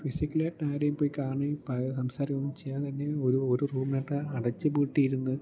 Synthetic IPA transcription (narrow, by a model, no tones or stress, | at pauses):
fisikʲːileʈnaːjɾejumpoːjikaːɳipɐɐsɐmsaːɾjɐmːmt͡ɕejːaːt̪ɐnːeoɾuoɾuruːmneːʈːɨɐɽɐt͡ɕːɨpuːʈːijiɾunːɨ